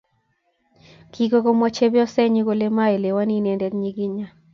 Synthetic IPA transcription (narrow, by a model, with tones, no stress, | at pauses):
ki˦ɡo˦ɡo˦mɔ˦t͡ʃe˦bɔ˦sɛ˦ɲi˦ɡo˦le˦ma˦e˨le˨wa˦ni˦ne˨ndɛ˨˦tɲi˦ɡɪ˦ɲa˦